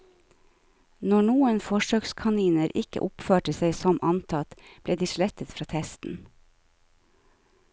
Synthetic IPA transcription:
nɔɳuːənfɔʃøːkskʰɑniːnəɾʔɪkə̰ʔʊpføːʈəseɪsɔmʔɑnt̪ʰɑt̪b̥leːd̪iːʃlɛt̪ət̪fɾɑːt̪ʰɛst̪n̩

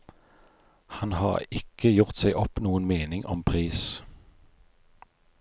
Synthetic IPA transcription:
hɑnhɑːʁɪkəjʊʁt̪seɪʔɔpnuːənmeːnɪŋʔɔmpʰʁiːs

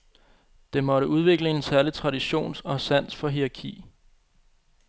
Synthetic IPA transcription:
d̥e̝mɒ̽ɾəʔuð̞ˠʋe̝ɡ̥ləe̝nsæɐlit͡sʰʁɑ̈diɕo̝̰ːnsɒ̽sæn̰sfɒ̽ɦiʁɑ̈kʰḭː

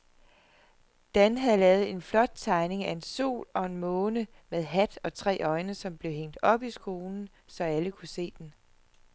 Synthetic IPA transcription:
d̥ænɦæðˠlɛːð̞̩ˠe̝nflɒ̽d̥̚t͡sʰɑ̈ɪne̝ŋæe̝nso̝̰ːlɒ̽e̝nmɔ̽ːnə | með̞ˠɦæd̥ɒ̽t͡sʰʁɛ̰ːʔɒ̽ɪnəsɒ̽mb̥le̝ʊɦeŋ̰d̥ɒ̽b̥isɡ̥o̝ːln̩ | sɒ̽æləkʰuse̝̰ːd̥en

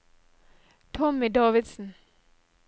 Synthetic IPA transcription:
t̪ʰɔmɪd̪ɑːʋɪd̪sn̩

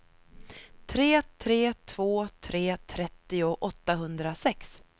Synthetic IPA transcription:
t̪ʰɾeːt̪ʰɾeːt̪ʰv̥oːt̪ʰɾeːt̪ʰɾɛt̪ːɪʊʔɔt̪ːaɦɵnd̪ɾasɛks

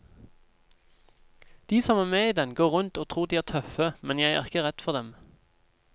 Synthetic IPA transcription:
d̪̥iːsɔmæːʁmeːiːd̪ɛnɡoːʁʉnt̪oːt̪ʰʁuːʁd̪iːæːt̪ʰœfəmɛnjæɪæ̰ːʁɪkəʁɛd̪̥fɔʁd̪ɛm

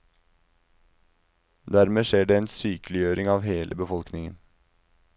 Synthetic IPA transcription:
d̪æɾmeːʃeːɖeːeːnsyːklɪjøːɾɪŋɑːʋheːlʔəbəfɔlknɪŋə̰n

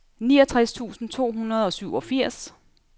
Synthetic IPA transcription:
niːɒ̽t͡sʰʁast͡sʰṵːsn̩t͡sʰo̝̰ːɦunɐð̞ˠɒ̽syʊ̰ɒ̽fiɐ̰s

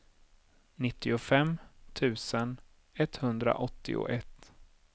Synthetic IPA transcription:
nɪt̪ʰːɪʊfɛmːt̪ʰʉ̟ːsən | ɛt̪ːhɵnd̪ɾa̰ʔɔt̪ːɪ̰ʊ̰ʔɛt̪ː

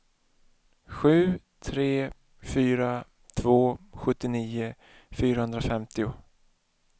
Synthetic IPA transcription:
ɧʉ̟ː | t̪ʰɾeː | fyːɾa | t̪ʰvoːɧɵt̪ːɪniːʊ | fyːɾahɵnd̪ɾafɛmt̪ɪʊ

